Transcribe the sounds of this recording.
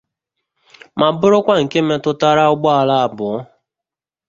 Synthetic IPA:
ma˨bʊ˦ɾʊ˦kʷa˦ŋ̩˨ke˦me˦tʊ˦ta˦ɾa˦ʊ˦ɡ͡bɔ˦a˨la˦a˨bʊ˨ɔ˦

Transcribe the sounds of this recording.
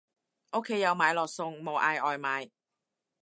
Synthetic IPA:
ʔo˥kʰːe˧˥jːɐ˨˧wmaː˨˧jlɔː˨˩k̚sʊ˧ŋmo˨˧wʔaː˧jʔɔː˨jmaː˨˧j

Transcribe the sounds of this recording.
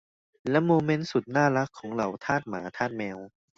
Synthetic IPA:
lɛ˦˥moː˧me˦˥nsu˨˩t̪̚naː˥˩la˦˥kʰːɔː˩˦ŋɾa˧˩wt̪ʰaː˥˩t̪̚maː˩˦t̪ʰaː˥˩t̪̚mɛː˧w

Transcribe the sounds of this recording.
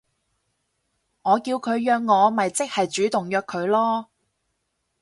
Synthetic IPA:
ŋɔː˨˧kiː˧wkʰɵ˨˧ɥjœː˧kŋɔː˨˧mɐ˨jt͡sɪ˥k̚hɐ˨jt͡ʃyː˨˥t̪ʊ˨˩ŋjœː˧kʰɵ˨˧ɥlɔː˥

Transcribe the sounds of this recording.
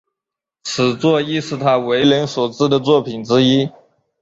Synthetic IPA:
t͡s̩ʰ˨˩t͡swɔ˥˧i˥ʂɻɹ̩˥˩t̪ʰa˥we˧˥ɪlə˧˥nswɔ˨˩ʈ͡ʂɻ̩˥˩d̪ə˨t͡swɔ˥˩pʰi˨˩nʈ͡ʂɻ̩˥i˥

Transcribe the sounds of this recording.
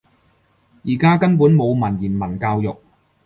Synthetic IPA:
jiː˨˩kaː˥kɐ˥npuː˨˥nmo˨˧wmɐ˨˩njiː˨˩nmɐ˨˩nkaː˧wjʊ˨k̚

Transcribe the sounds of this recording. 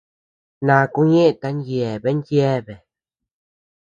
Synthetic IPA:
nã˨˧ku˦ɲẽ˦ʔt̪a˧˦njje˨βe˦ndje˦βe˨

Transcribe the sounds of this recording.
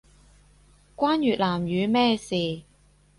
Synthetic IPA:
kʷaː˥njyː˨t̚laː˨˩mjyː˨˧mɛː˥˩siː˨˩

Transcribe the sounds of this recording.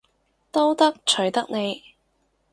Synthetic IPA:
t̪o˥wt̪ɐ˥k̚t͡ʃʰɵ˨˩ɥt̪ɐ˥k̚ne˨˧j

